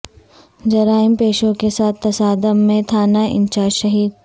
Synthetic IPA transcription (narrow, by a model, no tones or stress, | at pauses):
d͡ʒɐɾaːɪmpeːʃõkesaːt̪ʰːɐsaːd̪əmːẽt̪ʰaːnaɪ̰̃nt͡ʃaːʃɐɦiːd̪̚